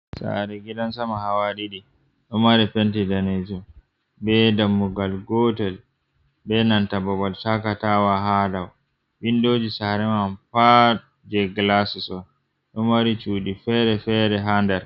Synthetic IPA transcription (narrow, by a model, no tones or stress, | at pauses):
sa̰ɾɛɡiɗansamahawaɾiɗi | ɗɔmaɾipɛntidaned͡ʒɔ | bɛdamːuɡalɡɔːtɛl | bɛnantabɔbaltakatawaɦadaw | bindoːd͡ʒisaɾɛmanfa | d͡ʒɛɡlasisɔn | ɗɔmaɾit͡ʃuːɗifɛɾɛfɛɾɛɦandɛɾ